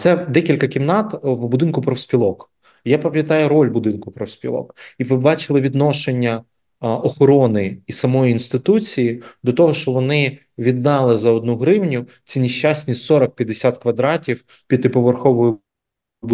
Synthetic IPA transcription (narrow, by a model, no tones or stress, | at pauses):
t̪sɛd̪ɛkʲilʲkɐkʲimnɑt̪wbʊd̪ɪnkʊpɾɔwsʲpʲilˠɔk | japɐmʲjɐt̪ɑjʊɾɔlʲbʊd̪ɪnkʊpɾɔwsʲpʲḭlˠɔ̰kiʋɪbɑt͡ʃɪlˠɪʋʲid̪nɔʃenʲːɐ | ɔxɔɾɔnɪisɐmɔjiinst̪ɪt̪ut͡sʲijid̪ɔt̪ɔɦɔʃt͡ʃɔʋɔnɪ | ʋʲid̪ːɑlˠɪzɐɔd̪nuɦɾɪwnʲʊ | t͡sʲinʲiʃt͡ʃɑsʲnʲisɔɾɔk̚pʲjɐd̪esʲat̪kʋɐd̪ɾɑtʲiw | pʲid̪t̪ɪpɔʋerxɔʋɔjʊ | b